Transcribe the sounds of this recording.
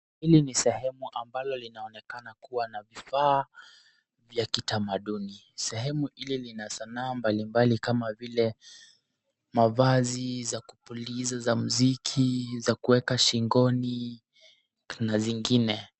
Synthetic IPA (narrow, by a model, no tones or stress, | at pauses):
hilinisɛhɛmuʔambalɔlinaɔnɛkanakuwanavifaː | vjakitamaɗuni | sɛɦɛmuʔililinasanaːmbalimbalikamavilɛ | mavazizakupulizazamuzikʰizakuwɛkaʃiŋɡɔni | naziŋɡinɛ